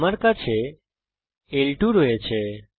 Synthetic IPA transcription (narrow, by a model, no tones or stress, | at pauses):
maɾkat͡ʃʰe | elʈuɾoet͡ʃʰe